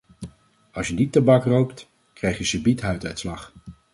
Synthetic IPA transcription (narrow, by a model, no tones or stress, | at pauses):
ɑsjənitːəbɑkrowpt | krɛjχjəsəbitɦœɥtə̰tslɑχ